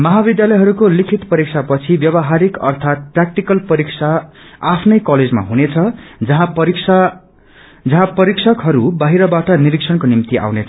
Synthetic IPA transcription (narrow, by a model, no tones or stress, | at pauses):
mʌɦabid̪jalʌjɦʌɾukolikʰit̪pʌɾiksʰapʌt͡sʰibjʌβʌɦaɾikʌ̰rt̪ʰat̪̚prak̚ʈikʌlpʌɾiksʰaapʰnʌjkʌled͡zma̰ɦunet͡sʰʌd͡zʌɦãpʌiksa | d͡zʌɦãpʌɾiksʰʌkɦʌɾubaɦiɾʌbaʈʌniɾiksʰʌnkonimt̪ia̰wnet͡sʰ